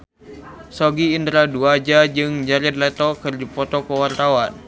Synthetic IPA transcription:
sɔɡiːnd̪ɾaduad͡ʒad͡ʒɨŋd͡ʒaɾɛd̪̚lɛt̪ɔkɨrdipɔt̪ɔkəwart̪awan

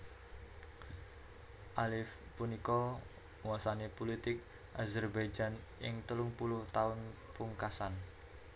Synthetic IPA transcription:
ʔalɪfpunikɔ | ŋwasanepulit̪ɪk̚ | ʔazɛrbajd͡ʒanʔɪŋt̪əlʊŋpulʊht̪aʊnpuŋkasan

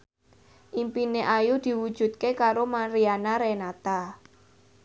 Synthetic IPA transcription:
ʔimpineʔajud̪̥i̤wud̥ʒ̥ṳt̪̚kekaɾomaɾianaɾenat̪a

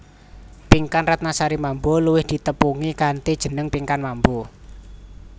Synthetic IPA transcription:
piŋkanrat̪̚nasaɾimamboluwɪhd̪̥i̤t̪əpuŋikant̪id̥ʒ̥ə̤nəŋpiŋkanmambo

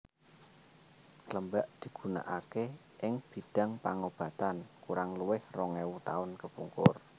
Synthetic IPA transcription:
kləmbaʔd̪̥i̤ɡ̥ṳna̰ʔake | ʔɪŋb̥i̤ɖ̥a̤ŋpaŋob̥a̤t̪ankuɾaŋluwɪhrɔŋɛwut̪a̰ʊnkəpuŋkʊr

